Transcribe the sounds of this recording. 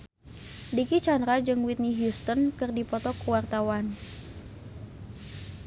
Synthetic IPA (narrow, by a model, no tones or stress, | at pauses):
dikit͡ʃanɾad͡ʒɨŋwit̪̚niɦjust̪ɔnkɨrdipɔt̪ɔkuwart̪awan